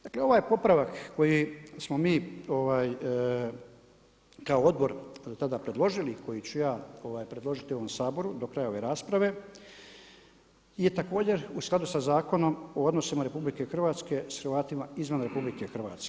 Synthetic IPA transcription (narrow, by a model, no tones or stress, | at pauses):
d̪akle̞o̞ʋaːjpo̞pɾaʋakːo̞jismo̞miːo̞ʋaːj | kaoo̞d̪bo̞ɾd̪ot̪ad̪apɾe̞d̪lˠo̞ʒiliko̞jit͡ɕujaːo̞ʋaːjpɾe̞d̪lˠo̞ʒit̪io̞ʋo̞msaːbo̞ɾud̪okɾajao̞ʋe̞ɾaːspɾaʋe̞ | ije̞t̪ako̞ːd͡ʑe̞ɾusklad̪usazaːko̞no̞mood̪no̞simaɾe̞publike̞xr̩ʋaːt̪ske̞sxɾʋaːt̪imaizʋanɾe̞publike̞xrʋa̰ːt̪ske